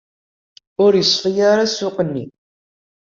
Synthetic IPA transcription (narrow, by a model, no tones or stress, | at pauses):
ʊɾjəsˤfijaɾasʊqənːḭ